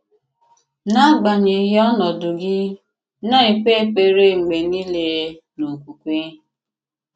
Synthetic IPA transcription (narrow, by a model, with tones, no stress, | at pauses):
na˦ɡ͡ba˨ɲe˨˦ɦe˦ɔ˦nɔ˨dʊ˨ɡɪ˦ | nɔ˦i˨k͡pe˦k͡pe˨ɾe˦˨ŋ͡m̩˨ɡ͡be˨ni˦le˨ | nu˨kʷu˨kʷe˦